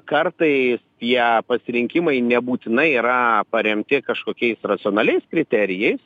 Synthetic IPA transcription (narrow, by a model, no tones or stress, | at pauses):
kɐrt̪ɐɪst̪ʲiɛpɐsʲɪɾʲɪŋʲkʲɪmɐɪnʲɛbuːt̪ʲɪnɐɪiːɾɐpɐɾʲɛmʲt̪ʲɪkɐʃkoːkʲɛɪsrɐt̪sʲɨoːnɑːlʲɛɪskɾʲɪt̪ʲɛɾʲɪjɛɪs